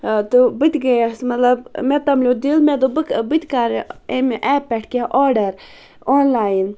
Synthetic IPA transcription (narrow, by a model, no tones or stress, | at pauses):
t̪ubɨt̪ɡɐjɐsmɐt̪lɐbmet̪ɐmlʲod̪ilmed̪obɨbɨt̪ʲkaɾemʔɛːpːɛʈʰkeʔoːɖɐɾ | oːnlaːjin